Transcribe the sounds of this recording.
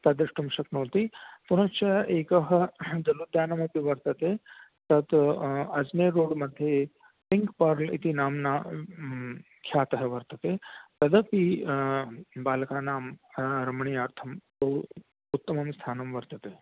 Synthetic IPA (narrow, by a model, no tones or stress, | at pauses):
t̪ɐd̪ɐʂʈumʃɐknoːt̪ipunɐt͡ʃɐeːkɐɦɐd̪ɐlud̪jaːnɐmɐpiʋɐɾt̪ɐt̪e | t̪ɐt̪ɐd͡zneːɾoːɽmɐd̪ʱːje | piŋkpɐɾlḭt̪inaːmna | kʰjaːt̪ɐɦɐʋɐɾt̪ɐt̪et̪ɐd̪ɐpi | baːlkaːnaːmɾɐmɳiːaːɾt̪ʰɐmto | ut̪ːɐmɐmst̪ʰaːnɐmʋɐɾt̪ɐt̪e